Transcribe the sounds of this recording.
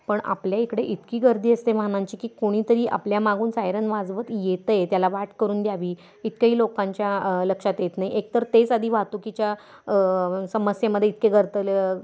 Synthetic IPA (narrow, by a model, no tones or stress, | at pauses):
pəɳa̰pljaikɽeʔit̪kiːɡəɾd̪ʱiːəst̪emaɦñãɲt͡ɕiːkiːkoɽ̃iːt̪əɾiːʔa̰pljamaɡuːnsajɾənʋad͡zʋət̪jet̪əjt̪jalaʋaʈkəɾuːnd̪jaʋiː | it̪kaɦiːlokãɲt͡ɕjaləkʂat̪jet̪naɦiʔek̚t̪əɾt̪et͡sad̪ʱiːʋat̪ukit͡ɕja | səməsjaməd̪ʱːjeit̪keɡəɾt̪əl